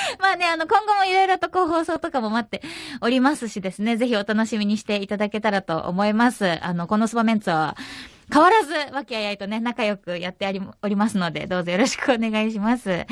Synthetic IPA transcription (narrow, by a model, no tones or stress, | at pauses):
maːne̞ano̞kõ̞ŋɡo̞mo̞iɾo̞iɾot̪o̞ko̞ːɦo̞ːso̞ːt̪okamo̞mat̪ːe̞o̞ɾʲimasɨɕid̪e̞sɨne̞ze̞çio̞t̪ano̞ɕimʲiɲ̟iɕi̥t̪e̞it̪ad̪ake̞t̪aɾat̪o̞̰ʔo̰mo̞imasɨano̞ko̞no̞sɨbamẽ̞nt͡sɨβa̰ | kaβaɾazɨβakʲiajait̪o̞ne̞nakajo̞kɯ̟jat̪ːe̞aɾʲioɾʲimasɨno̞d̪e̞̰d̪o̞ːzo̞jo̞ɾo̞ɕi̥kɯ̟o̞ne̞ɡaiɕimasɨ